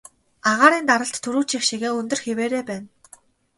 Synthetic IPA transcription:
aʁaːɾiːnt̪aɾə̆ɬt̪ʰːɵɾuːt͡ɕixʃiɣeːɵnt̪ɵ̆rxeweːɾeːpæːn

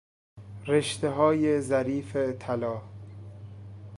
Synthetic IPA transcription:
ɾeʃt̪eɦɒːjezæɾiːfet̪ʰælɒː

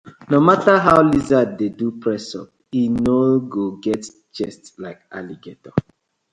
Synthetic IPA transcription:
nomataɦaʊlizadedupɹɛsɔ̰p̚ | inoɡoɡɛt | t͡ʃɛstlaɪka̰liɡetɔ

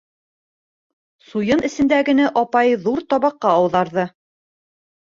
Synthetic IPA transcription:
sujɤnɘ̆sɘ̆nd̪æɡɘ̆næʔɑpɑjðuɾt̪ɒβɑqːɑːwðɑɾðɤ

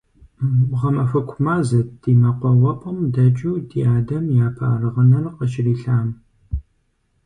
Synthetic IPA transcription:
ʁɐmɐfɐkʷʰʊmaːzɐtd̥iːmɐqʷɔwɐpʷʼɐmdɐt͡ʃʼuːdiaːdɐmjaːpʰa̰ːrɨʁɐnɐrqəʃɪriːɬaːm

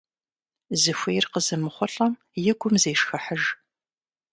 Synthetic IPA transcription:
zɨxʷejrqəzɨmɨχʷʊɬʼɐm | jɪɡʷʊmzeːʂxɐħəʒ

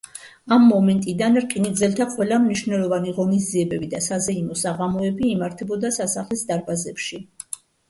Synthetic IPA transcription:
amːɔmɛnt̪ʼid̪anɾqʼiniɡd̪zɛlt̪ʰaqʼwɛlamniʃvnɛlˠɔvaniʁɔnizd̪ziɛbɛbid̪asazɛimɔsaʁamɔɛbiːmaɾt̪ʰɛbɔd̪asasaχlisd̪aɾbazɛpʃi

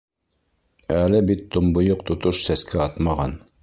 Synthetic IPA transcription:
ælɘbit̪ʰːŏmbŏjoq̚t̪ŏt̪oʃsæskʰæɑt̪mɑʁɑn

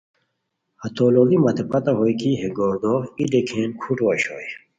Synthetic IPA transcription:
hɐt̪oːloɡimɐt̪epʰɐt̪ɐɦojkʰiɦeɡɔɾd̪ɔid̪ekʰeːnkʰuʈwɐɕɔ̰j

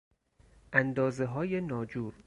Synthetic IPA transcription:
ʔænd̪ɒːze̞ɦɒːjenɒːd͡ʒuːɾ

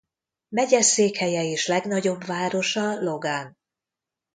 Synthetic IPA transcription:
mɛɟɛseːkhɛjɛeːʃlɛɡnɒɟo̞bvaːɾo̞ʃɒlo̞ɡan

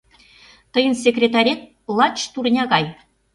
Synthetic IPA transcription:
t̪ɤ̆jə̆nsʲekrʲet̪ɑɾʲet̪̚ | lˠɑt͡ɕt̪urnʲɑɡɑj

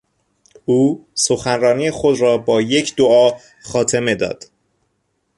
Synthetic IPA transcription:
uːsoxænrɒːnijexo̞d̪ɾɒːbɒːje̞cʰd̪oɒː | xɒːt̪ʰe̞me̞d̪ɒ̰ːd̪̥

